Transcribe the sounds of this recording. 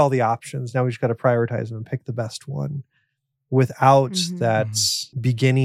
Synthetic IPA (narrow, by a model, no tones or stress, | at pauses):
ɔlˠðiɑpʃɨ̃nznaʊwid͡ʒʌsɡɑɾɨpʰɹ̥aɪɔɹɨtʰaɪzmə̃n̩pʰɪk̚ðəbɛst̚wʌ̰̃n | wɪθaʊt̪̚ðɨtsb̥ɨɡɪ̃nɪ̃